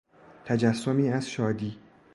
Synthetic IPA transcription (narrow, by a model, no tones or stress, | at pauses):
t̪ʰæd͡ʒæsːomiːæz̥ʃɒːd̪iː